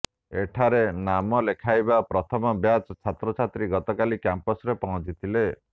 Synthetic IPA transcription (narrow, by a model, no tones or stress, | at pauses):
eʈʰaɾenamɔlekʰajbapɾɔt̪ʰɔmɔbjat͡ʃt͡ʃʰat̪ɾɔt͡ʃʰat̪ɾiɡɔt̪ɔkalikjampɔsɾepɔɦɔ̃t͡ʃit̪ʰile